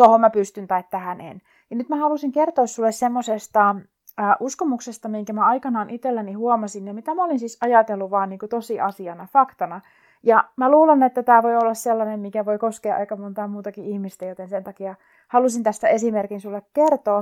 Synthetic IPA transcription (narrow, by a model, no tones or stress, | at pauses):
t̪ohommæpyst̪ynt̪ɑit̪t̪æhænḛn | jɑnyt̪mæhɑlusiŋkert̪oːssulːessemːosest̪ɑː | ʔuskomuksest̪ɑmiŋkæmæɑikɑnɑːnʔit̪elːænihuomɑsinjɑmit̪æmæolinsisɑjɑt̪elːuʋɑːnniːŋkut̪osiʔɑsiɑnɑfɑkt̪ɑnɑ | jɑmæluːlenet̪ːæt̪æːʋoiolːɑsselːɑnemmikæʋoikoskeːʔeikɑmont̪ɑːmuːt̪ɑkiihmist̪æjot̪ensent̪ɑkiɑ | hɑlusint̪æst̪æesimerkinsulːekkert̪oː